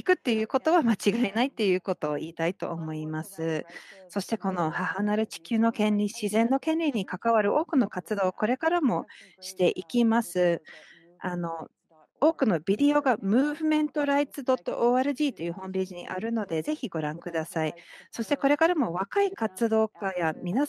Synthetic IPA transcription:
ikɯ̟t̪ːe̞jɯ̟ːko̞t̪o̞βamat͡ɕiɡainait̪ːe̞jɯ̟ːko̞t̪o̞ːiːt̪ait̪o̞̰ʔːmo̞imasɨso̞ɕi̥t̪e̞ko̞no̞hahanaɾɯ̟t͡ɕi̥kʲɨːno̞kẽ̞nʲɾʲiɕizẽ̞nːo̞kẽ̞nʲɾʲiɲ̟ikakaβaɾɯ̟ʔo̞ːkɯ̟no̞kat͡sɨd̪o̞ːko̞ɾe̞kaɾamo̞ɕi̥t̪e̞ʔikʲimasɨ | ano̞ | o̞ːkɯ̟no̞bʲid̪e̞o̞ɡamɯ̟ːβɯ̟mẽ̞nt̪o̞ɾait͡sɨd̪o̞t̪ːo̞̰ʔoːaːɾɯ̟ʑiːt̪ːojɯ̟ːhõ̞mpʲe̞ːʑiɲ̟ḭʔa̰ɾɯ̟no̞d̪e̞ze̞çiɡo̞ɾãŋkɯ̟d̪asaiso̞ɕi̥t̪e̞ko̞ɾe̞kaɾamo̞β̞akaikat͡sɨd̪o̞ːkajamʲina

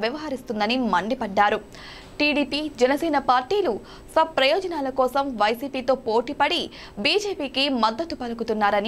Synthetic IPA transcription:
ʋjɐʋɐɦɐɾist̪und̪ɐnimɐɳɖipɐɖːaːɾu | ʈiːɖiːpiːd͡ʒɛnɐsɛːnɐpaːɾʈiːlu | sɐb̚pɾɐjɔːd͡ʒɐnaːlɐkɔːsɐmʋɐjsiːpiːt̪o̞ːpoːʈipɐɽi | biːd͡ʒeːpiːkimɐd̪ːɐt̪upɐlɐkut̪unːaːɾɐni

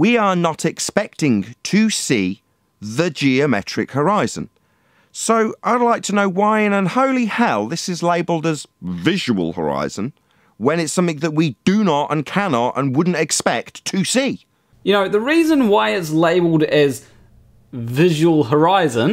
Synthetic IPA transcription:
wiə˞nəɾɪkspɛk̚tɪ̃ŋtʰɨsiː | ðɨd͡ʒiɨmɛ̰t͡ʃɹ̥ɪkhə˞aɪz̥ə̰̃n | soʊʔaɪdˡlaɪk̚tʰənoʊwaɪɪ̃nə̃nhoʊlˠihɛlˠðɪsɨzleɪbəl̩ˠdəzvɪʒəwə̰lˠhə̰˞a̰ɪz̥ə̃n | wə̃nɪtsʌ̃mθɪ̃ŋðəʔ̚widɨnətə̰̃nkʰænɑtə̰̃nwʊdⁿn̩tɨkspɛk̚tʰɨsi | jɨnoʊðəɹiːzə̃nwaɪɪtsleɪbəl̩ˠdɪz | vɪʒəwəlˠɦə˞aɪzə̃n

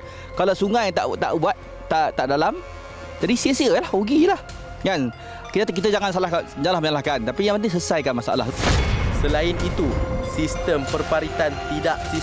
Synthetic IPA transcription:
kalawsuŋajat̪a̰ʔt̪a̰ʔbuat̪̚ː | at̪aʔdalam | d͡ʒadisiəsiəlahuɡilah | ɡan | kit̪kit̪əd͡ʒaŋansalahaɲalahməɲalahkant̪apijaŋmpənis̬əsajkanmasa̰ʔa̰la̰səlaɪnit̪usist̪əmpərpaɾit̪ant̪idaʔsi

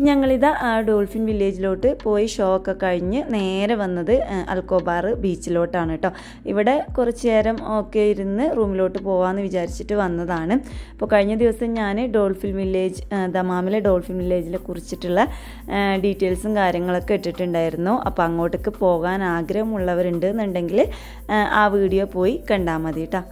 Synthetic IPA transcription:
ɲɐŋːɐɭiðɐʔːɖo̞ːlfinʋilːe̞ːd͡ʑilo̞ːʈːɨpo̞ːjiɕo̞ːkːɐkɐɻiɲːɨne̞ːɾɐʋɐnːɐðɨɐ̰lko̞ːbaːrɨbiːt͡ɕːilo̞ːʈːaːɳiʈːoː | iʋiɽe̞kurɐt͡ɕːeːɾɐmokːejiɾunːɨruːmilo̞ːʈːɨpo̞ːʋaːnːɨʋit͡ɕaːɾit͡ɕːiʈːɨʋɐnːɐðaːɳɨpːo̞ːkɐɻiɲːɐd̪iʋɐsɐmɲaːnɨɖoːlfilmʋilːe̞ːd͡ʑɨd̪ɐmaːmileɖo̞ːɭfilmʋilːe̞ːd͡ʑilekurit͡ɕːiʈːuɭːɐ | ɖiʈːe̞ːlsumkaːɾjɐŋːɐɭo̞kːeeʈːiʈːuɳɖaːjiɾunːuʔɐ̰pːoːɐŋːo̞ːʈːɨkːɨpo̞ːɣaːnaːɡɾɐɣɐmuɭːɐʋɐɾuɳɖɨnːuɳɖe̞ŋɡil | aːʋiːɽijopo̞ːjikɐɳɖaːmɐðijiʈːaː

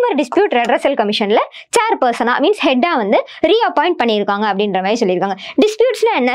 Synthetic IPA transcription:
mɐɾɐɖɪspjuːʈɾɛɖɾɐsɐlkɐmɪʂɐnlɐ | t͡ʃaːɾpɐɾsɐna̰ːmiːnshɛɖːaːʋɐnd̪ɯ | ɾiːɐpɔːɪ̃ɳʈ̚pɐɳːɪɪɾɯkːaːŋɡɐːpːɐɽɪnɾɐmaːjɾɪsɔlːɪɾɯkːaːŋɡɐɖɪspjuːʈslɐɛnːɐ

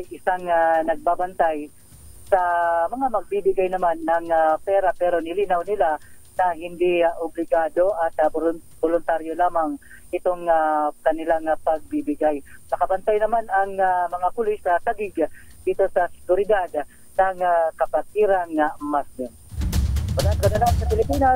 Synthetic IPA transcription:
ajʔɪsaŋanɐɡ̚babant̪aj | samɐŋamɐɡ̚bibɪɡajnɐmanːɐŋapɛːɾapɛɾonɪliːnawnɪlanɐhɪnd̪iaʔʊblɪɡaːd̪o̞ʔat̪abolʊnt̪aɾjolaːmaŋ | ʔɪt̪oŋakɐnɪlaŋapɐɡ̚bibɪɡajnɐkɐbɐnt̪ajnɐmanɐŋamɐŋapʊlɪsnɐsaɡɪɡ | d̪̥iːt̪o̞sɐsɪ̥ɡʊɾɪd̪ad̪ | nɐŋakɐpat̪̚ɪɾaŋːamasd̪ɪn | wɐlankɐd̪ɐlaansɐpɪlɪpiːna

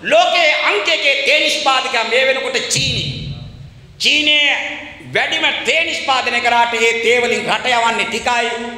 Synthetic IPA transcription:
loːkeːɐŋkekeːt̪eːniʃpaːt̪ikɐmeːʋenukuʈet͡ʃiːni | t͡ʃiːneː | ʋeɖimɐt̪eːnispaːd̪inekɐɾaːʈeeːt̪eːʋɐliŋɾɐʈɐjɐʋaːnːiʈikaːji

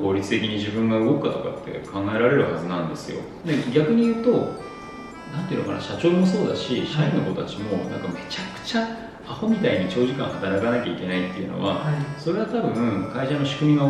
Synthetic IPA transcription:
ko̞ːɾʲit͡sɨ̥t̪e̞kʲiɲ̟iʑibɯ̟̃ŋɡaɯ̟ɡo̞kkːat̪o̞ka̰t̪ʰːe̞̰kʰãŋɡae̞ɾaɾe̞ɾɯ̟hazɨnãnd̪e̞sɨjo̞̰ | d̪eɡʲakɯ̟ɲ̟ijɯ̟ːt̪o̞ | nãnt̪e̟noka̰na̰ɕat͡ɕo̞ːmoso̞ːd̪a̰ɕiɕaĩnːo̞koot̪at͡ɕimo̞nã̰ŋkame̞t͡ɕakɯ̟̥t͡ɕa | aho̞mʲit̪aiɲ̟it͡ɕo̞ːʑikã̰ɰ̃hat̪aɾakanakʲaikʲe̞nait̪ːe̞iɯ̟no̰βaso̞ɾe̞βat̪abɯ̟̃ɯ̃kaiɕano̞ɕi̥kɯ̟mʲiɡa

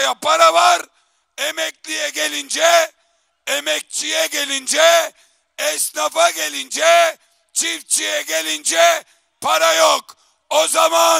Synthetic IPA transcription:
jɐpɐɾɐʋaɾ | emek̚lijeɡelind͡ʒe | emek̚t͡ʃieɡelind͡ʒe | esnɐfɐɡelinʲd͡ʒe | t͡ʃift͡ʃieɡelinʲd͡ʒe | pʰɐɾɐjok | ozɐmaː

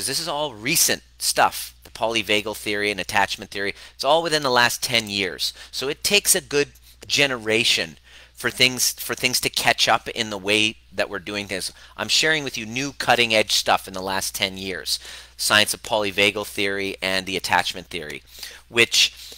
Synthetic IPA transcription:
ʌzðɪsɨzɔlˠɹisɨ̃ntstʌ̰fðəpʰɑlˠiveɪɡl̩ˠθɪɹiɨ̃nɨtʰæt͡ʃmɨ̃nθɪɹiɨtsɔlˠwɨθɪ̃nðəlæstʰɛ̃njɪɹz̥soʊɨtʰeɪksɨɡʊd̚ | d͡ʒɛnə˞eɪʃɨ̃n | fə˞θɪ̃ŋz̥fə˞θɪ̃ŋz̥tʰɨkʰæt͡ʃʌpɪ̰̃nðəweɪ | ðɨ̰ʔwɨɹdʉɪ̃ŋθɪ̃ŋzʔãɪ̃mʃɛɹɪ̃ŋwɨðjɨnʉkʰʌɾɪ̃ŋɛd̥ʒ̥stʌfnðəlæstʰɛ̃njɪɹz̥saɪɨ̃nsʌv̥pʰɑlˠiveɪɡl̩ˠθɪɹiɨ̃nðiɨtʰæ̰t͡ʃmɨ̃nθɪɹḭwɪt͡ʃ

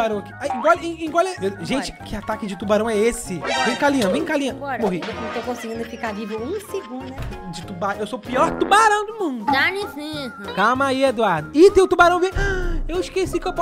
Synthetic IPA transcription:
baɾɐ̃w̃aki̥aĩɡɔl̃ĩɡɔlɛeʒẽt͡ʃɪ̥kʰɪat̪akɪd͡ʒɪt̪ubaɾɐ̃w̃ɛesɪvẽj̃kalĩɐ̃vẽj̃kalĩɐ̃moɦĩt̪owkõsɪɡĩnd̪ʊfikaɾlivɾʊũseɡũd̪ɐd͡ʒɪt̪ubaɾɐ̃w̃ewsopiɔɾt̪ubaɾɐ̃w̃d̪ʊmũd̪ʊʒanisĩkamaied̪uaɾd̪ʊɪt̪ẽj̃ʊt̪ubaɾɐ̃w̃vẽjaewɪʃkesikɪewpɔ

